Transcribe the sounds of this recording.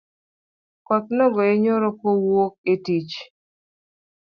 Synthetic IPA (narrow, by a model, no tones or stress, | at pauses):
kɔt̪̚nɔɡɔeɲoɾokowok̚etit͡ʃ